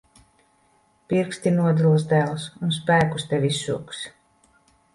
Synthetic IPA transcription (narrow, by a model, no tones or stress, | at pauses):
piɾkst̪ʲinuɔd̪ulˠasd̪æːlˠsuns̬pæːkust̪ɛvʲisːṵːks